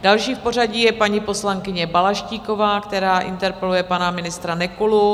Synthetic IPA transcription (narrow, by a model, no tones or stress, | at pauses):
dalʃiːfpo̞r̝aɟijɛpaɲipo̞slaŋkɪɲɛbalaʃciːko̞vaːkt̪ɛɾaːʔɪ̰nt̪ɛɾpɛlujɛpanamɪnɪst̪ɾanɛkulu